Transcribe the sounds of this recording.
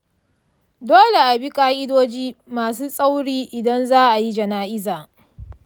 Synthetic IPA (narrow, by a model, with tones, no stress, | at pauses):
doː˦le˨ʔa˨bi˦kʼaː˦ʔɪ˦doː˦d͡ʒiː˦maː˨s̬uː˦sʼa˦wɽiː˦ʔɪ˨dɐ˦nzaː˦ʔa˨ji˦d͡ʒɐ˨naː˦ʔɪ˦zaː˨